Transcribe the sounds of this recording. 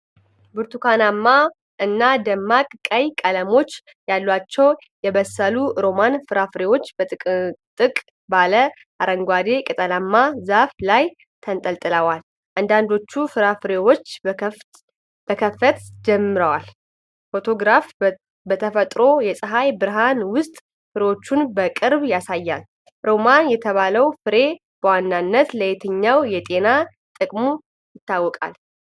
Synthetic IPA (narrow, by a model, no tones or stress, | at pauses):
buɾt̪ʰukʰanamːa | ʔɨnːad̪əmːakʼkʼəjkʼələmo̞t͡ʃː | jalːwat͡ʃːɛw | jɛβəsəluɾo̞manfɨɾafɾewo̞t͡ʃːbət̪ʼt̪ʼɨkʼ | balə | ʔaɾəŋɡʷad̪e̞kʼɨt̪ʼəlamːazaflaj | t̪ʰənt̪ʼəlt̪ʼɨləwal | ʔand̪and̪o̞t͡ʃːufɨɾafɾewo̞t͡ʃː | b̥əkʰəfət̪d͡ʒɛmːɨɾəwal | fo̞t̪ʰo̞ɡɾaf | bət̪ʰəfət̪ʼɾo̞jɛsʼɨɦajbɨɾɦanwʊst̪ʼ | fɨɾewo̞t͡ʃːunbəkʼɨɾbjasajːa̰l | ɾo̞manjɛt̪ʰəβaləwfɨɾe̞ | b̥əwanːanːət̪ləjet̪ʰɨɲːawjɛt̪ʼe̞na | t̪ʼɨkʼmu | jɪt̪ʰːawːɔkʼa̰l